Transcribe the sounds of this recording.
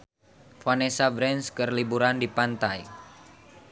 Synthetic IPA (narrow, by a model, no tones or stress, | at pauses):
fanesabɾɛnskərlibuɾandipant̪aj